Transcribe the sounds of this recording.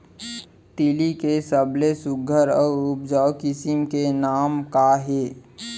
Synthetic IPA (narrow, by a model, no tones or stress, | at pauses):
t̪ilikesəbʱlesʊɡʱəɾɔːʊp̚d͡ʒaʊkɪsɪmkenaːmkaɦeː